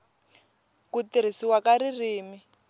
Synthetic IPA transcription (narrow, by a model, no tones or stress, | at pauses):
kutiɾ̤isiwakaɾiriːmi